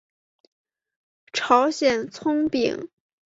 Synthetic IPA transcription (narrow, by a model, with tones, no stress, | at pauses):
ʈ͡ʂʰɑ˧˥ʊɕjɛ˨˩nt͡sʰʊ˥ŋpḭ˨˩˦ŋ